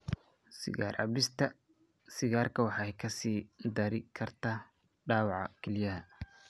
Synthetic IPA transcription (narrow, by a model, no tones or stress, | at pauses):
sɪ̰ɣaːrʕɑ̰blɪst̪ʰɐ | sɪɣaːrkʰɐwɑħɑɛjkʰɐsiːd̪ɐɾɪkʰɐrt̪ʰaː | ɖaːwɑʕɑ̰kʰɛlɪjɐɦɐ